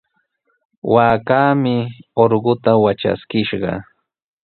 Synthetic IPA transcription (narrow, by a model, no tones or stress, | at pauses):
waːkaːmɪoɾɢʊt̪awat͡ʃa̰skɪʃɢɑ̰